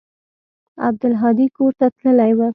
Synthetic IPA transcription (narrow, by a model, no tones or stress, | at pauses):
a̰b̚d̪ʊlɦɑd̪ikoɾt̪at̪ləlajwə